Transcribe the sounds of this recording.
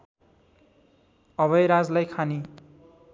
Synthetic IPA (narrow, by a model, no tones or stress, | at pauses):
ʌβʌjɾad͡zlajkʰani